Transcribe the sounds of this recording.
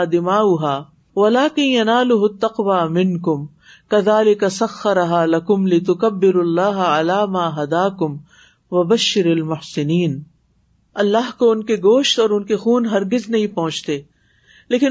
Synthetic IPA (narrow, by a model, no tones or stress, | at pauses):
d̪ɪmaːʊɦaː | wɐlaːkɪ̃njɐnaːlʊɦʊt̪ːɐqʋaːmɪ̃nkʊm | kɐðaːlɪkɐsɐxːɐɾɐɦaːlɐkʊmlɪt̪̬ʊkɐbːɪɾɐlːaːɦʕalaːmaːɦɐd̪aːkʊm | wɐbɐʃːɪɾɐlmʊhsɪniːn | ɐlːaːɦkoʊnkeɡoːʃt̪ɔːɾʊnkexuːnɦɐɾɡɪznɐɦĩpɐ̃ɦʊ̃t͡ʃt̪eː | leːkɪn